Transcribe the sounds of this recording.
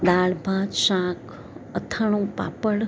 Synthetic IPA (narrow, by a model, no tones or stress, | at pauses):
d̪aːɭbʱad͡ʒʃãk | ət̪ʰəɳ̃ũpa̰pəɽ